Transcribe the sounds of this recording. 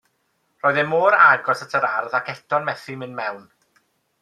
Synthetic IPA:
r̥ɔːjðɛmoːɾaɡɔsatʰəɾarðakʰɛtʰɔnmɛθimɪnmɛwn

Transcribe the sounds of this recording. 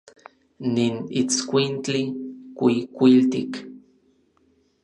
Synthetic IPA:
ninit͡skʷint͡ɬikʷikʷilt̪ik

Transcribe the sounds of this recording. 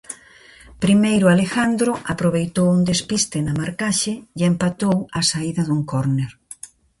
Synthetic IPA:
pɾimejɾʊalexand̪ɾʊʔapɾoβejt̪owund̪espist̪ɪnɐmaɾkaʃɪempat̪owɐsaiðɐðuŋkoɾneɾ

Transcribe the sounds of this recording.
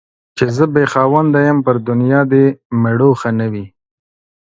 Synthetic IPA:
t͡ʃezəbexɑːwand̪ajəmpəɾd̪ʊnjɑd̪emaɽoxanawi

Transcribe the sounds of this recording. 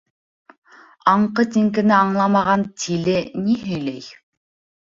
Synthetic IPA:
ɑɴqɤt̪ʲiŋkɘ̆nɘɑɴlˠɑmɑʁɑnt̪ʰilɘniɦɵjlæj

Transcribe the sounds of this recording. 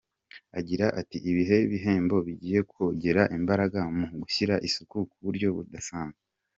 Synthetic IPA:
aɟiɾaʔatiʔiβiɦe̞iβiɦe̞ːmbo̞βiɟiːje̞kwoɟe̞ɾaʔimbaɾaɡamuɡuçiɾaʔisukukuβuɾɟo̞βṵdasaːnza

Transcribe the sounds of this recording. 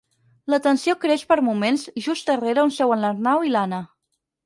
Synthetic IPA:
lət̪ənsiokɾeʃpəɾmumenzʒust̪əreɾəunsɛwənləɾnawilanə

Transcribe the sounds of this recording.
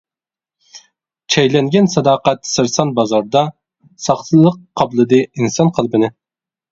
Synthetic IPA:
t͡ʃʰɛjlɛŋɡʲɛnsɑd̪ɑːqæt̪sɨɾsɑnbɑzɑɾd̪ɑ | sɑχt̪ʰɨlˠəqʰːɑblˠɨd̪ɨinsɑnqʰəlˠbɨnɪ

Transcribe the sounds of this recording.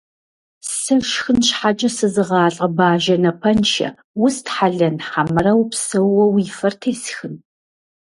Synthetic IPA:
sɐʃxɨnɕħat͡ʃʼɐsɨzɨʁɑːɬʼɐbaːʒɐnɐpʰɐnʃɐ̰ | wʊstħaɮɐnħamɨrɐwpsɐwːɐwiːfɐrtʰeːsxɨn

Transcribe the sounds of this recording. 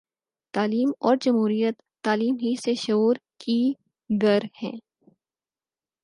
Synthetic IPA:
t̪aːliːmɔːɾd͡ʒɐmɦuːɾijət̪ːaːliːmɦiseʃʊuːɾki | ɡɐɾhɛ̰̃ː

